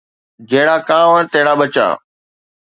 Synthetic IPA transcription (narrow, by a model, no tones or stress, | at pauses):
d͡ʑɐɦɪɽ̃aːkãːʋə̃t̪ɐɦɪɽaːbət͡ɕa̰ː